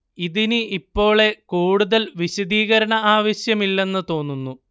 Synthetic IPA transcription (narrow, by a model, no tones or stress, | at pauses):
iðinɨʔipːo̞ːɭe̞kuːɽuðɐlʋiɕɐd̪iːɣɐɾɐɳɐaːʋɐɕjɐmilːe̞nːɨt̪o̞ːnːunːu